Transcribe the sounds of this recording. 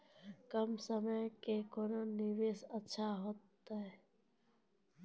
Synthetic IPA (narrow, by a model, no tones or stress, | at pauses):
kəmsəməjkekononiʋeːsətːʃʰaɦoːt̪ːaɦɛ